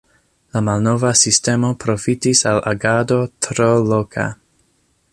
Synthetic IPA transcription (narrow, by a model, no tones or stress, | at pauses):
lamalno̞vasiste̞mo̞pɾo̞fitisala̰ɡadotɾolokʰa̰